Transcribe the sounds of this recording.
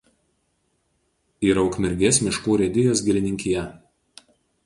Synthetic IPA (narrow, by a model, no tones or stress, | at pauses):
iːɾɐʊkmʲɪɾʲɡʲeːsmʲɪʃkuːɾʲɛd̪ʲɪjoːsɡʲɪlʲɪnʲɪŋʲkʲɪjɛ